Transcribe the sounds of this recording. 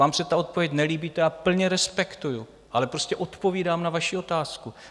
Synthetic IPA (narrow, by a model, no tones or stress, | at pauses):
aːmsɛt̪ao̞t̪̚povjɛcnɛliːbiːt̪ɛapl̩ɲɛɾɛspɛkt̪uju | ʔalɛpɾo̞scɛʔo̞t̪po̞viːdaːmnavaʃio̞t̪aːsku